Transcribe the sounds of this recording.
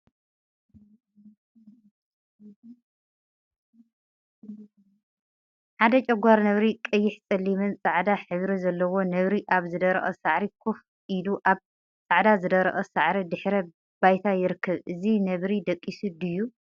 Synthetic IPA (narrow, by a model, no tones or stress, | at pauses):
ħad̪ɐt͡ʃʼɐɡʷaɾnɐβɾikʼɐjːɪħt͡sʼɐlːimɨnt͡sʼaʕd̪aħɨβɾizɐlːɐwo̞nɐβɾiʔaβzɨd̪ɐɾɐ̰χʼɐsaʕɾikʰof | ʔiluʔaβ | t͡sʼaʕd̪azɨd̪ɐɾɐ̰ʔʼɐsaʕɾid̪ɨħɾɐ | bajt̪ʰajɪɾɨkʰːɐβʔɨzinɐβɾid̪ɐkʼːisɨd̪ɨjːu